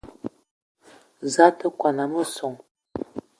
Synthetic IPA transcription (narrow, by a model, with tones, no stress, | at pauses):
za˦tə˦kʷa˨na˨mə˦so˨ŋ